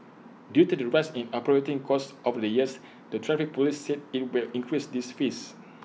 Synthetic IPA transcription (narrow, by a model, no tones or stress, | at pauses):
djutudəɹasɛ̃napɔɹetĩŋkʰɔsɔfdəjiəs | dətʰɹɛfik̚polisːed̚it̚wilĩŋkʰɹisdisfis